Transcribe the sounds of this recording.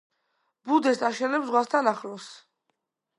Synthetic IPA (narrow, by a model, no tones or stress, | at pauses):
bud̪ɛst̪ʼaʃɛlɛbzʁwast̪ʰanaχɾɔs